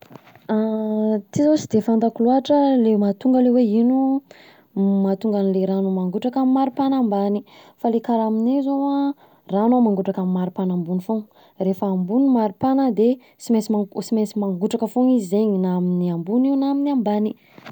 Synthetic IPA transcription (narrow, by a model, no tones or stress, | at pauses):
at̪izot͡ʃid̪efand̪akuluaʈ͡ʂəlemat̪uŋɡəleweinu | mat̪uŋɡanileɾanomaŋɡuʈ͡ʂakammːaɾipanambanifalekaɾaminezowa | ranomaŋɡuʈ͡ʂakammːaɾipanambunifoŋ | refəːmbunimaɾipanəd̪e | simesmasimesimaŋɡuʈ͡ʂakəfoŋizizeɲinaaminiambuniwnaminiambani